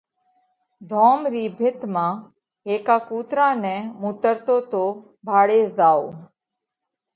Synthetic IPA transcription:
d̪ʱɔːmɾiːbʱɪt̪mãː | eːkaːkuːt̪ɾãːnɛ̃ːmuːt̪əɾt̪oːt̪oː | bʱaːɽeːzaːo̰ː

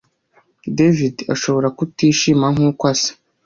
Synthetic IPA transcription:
devida̰ʃo̞βo̞ɾakutiːʃimaŋ̥uːkwasḁ

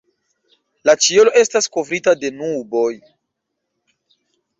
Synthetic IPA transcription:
lat͡ʃiolo̞ʔe̞stasko̞vɾitade̞nubo̞j

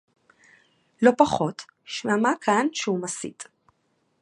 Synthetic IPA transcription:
lo̞paχo̞t̪ | ʃmamakʰanʃeumasḭt

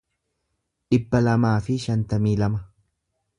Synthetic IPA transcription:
ᶑɪbːɐlɐmaːfɪʃɐnt̪ɐmiːlɐmɐ

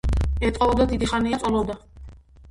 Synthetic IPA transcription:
ɛt̪ʼqʼɔɔd̪ad̪id̪iχaniat̪sʼɔlɔd̪a

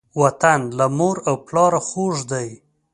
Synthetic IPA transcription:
wat̪anlamoɾawplɑɾaxoʐd̪aj

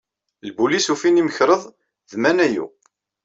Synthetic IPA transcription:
lbulisufiniməçɾəðˤ | ðmænæjṵ

